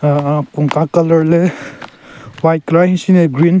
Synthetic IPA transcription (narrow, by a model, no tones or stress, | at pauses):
puŋkakɐlɐɾle | wajt̚kɾajhisineɡɾin